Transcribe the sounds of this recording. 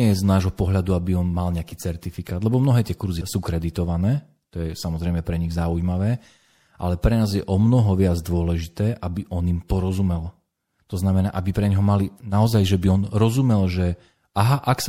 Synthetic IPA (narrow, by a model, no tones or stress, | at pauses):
ɛjɛznaːʒɦɔpɔɦʎad̪uabiɔnmalɲɛakiːt͡sɛɾt̪ifikaːd̪lɛbɔmnɔɦɛːt̪ɛkuɾzisuːkɾɛd̪it̪ɔʋanɛː | t̪ɔjɛsamɔzɾɛjmɛpɾɛɲiɣzauimaʋɛː | ʔa̰lɛpɾɛnaːzjɛʔɔmnɔɦɔʋɪad͡zd̪ʊɔlɛʒit̪ɛːʔabiʔɔnimpɔɾɔzumɛl | t̪ɔznamɛnaːʔabipɾɛɲɦɔmalinaɔzajʒɛbiɔnɾɔzumɛlʒɛ | ʔaɦaʔaks